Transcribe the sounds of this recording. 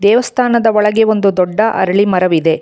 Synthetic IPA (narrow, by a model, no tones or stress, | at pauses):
d̪ɛːʋɐst̪ʰaːnɐd̪ɐɔɭɐɡeo̞nd̪ud̪ɔɖːɐʔɐ̰ɾɐɭimɐɾɐʋid̪e̞